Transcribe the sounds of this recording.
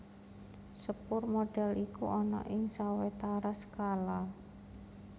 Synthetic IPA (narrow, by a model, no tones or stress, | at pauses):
səpʊrmoɖ̥ɛ̤likuʔɔnɔ̰ʔɪŋsawet̪aɾasə̥kala